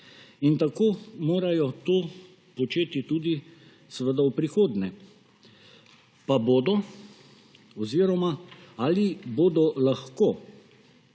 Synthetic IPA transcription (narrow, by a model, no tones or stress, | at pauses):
int̪akoːmoːɾajɔt̪oː | pɔt͡ʃeːt̪it̪uːd̪i | səʋəd̪aupɾixoːd̪nɛ | paboːd̪ɔ | ɔziːɾɔmaaliboːd̪ɔlaxko